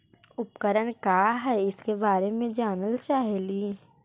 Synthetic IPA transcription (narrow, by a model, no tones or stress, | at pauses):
ʊpkəɾəɽ̃kaːɦɛɪskebaːɾemẽd͡ʒaːnəlt͡ʃaːɦeliː